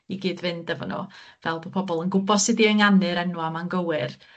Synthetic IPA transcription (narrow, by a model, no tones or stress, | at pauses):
iɡiːdvɨndɛvɔ̰nɔ̰vɛlˠbopʰɔbɔlˠənɡʊbɔsɨdiəŋanɨɾɛnwamanɡəwɪr